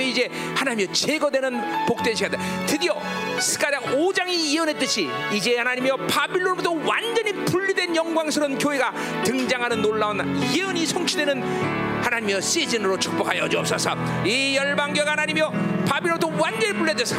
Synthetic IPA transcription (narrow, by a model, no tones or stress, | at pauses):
ʌid͡ʑe̞hanaɲimjʌt͡ɕeɡʌdwe̞nɯnpok̚t͈eɕʰijad̪atɯdiʌsʰɯ̥ɡaɾaɡod͡ʑaŋiiɯnet͈ɯɕʰiid͡ʑe̞hanaɲimjʌpabiɭːonodowa̰nd͡ʑʌɲipuʎːidwenjʌŋɡwaŋs̬ʰɯɾɯnkjoɦeɡa | t̪ɯŋd͡ʑaŋɦanɯnːoɭːaonjeɯɲisʰoŋt͡ɕʰidwenɯn | hanaɲimjʌs͈id͡ʑinɯɾot͡ɕʰu̥k̚p͈ʌkʰajʌʌd͡ʑuʌp̚s͈ʌsʰʌ | ijʌɭbaŋɡjoɡhanaɲimjʌpabiɭːod̪owand͡ʑʌɲibuɭːedwesʰʌ̥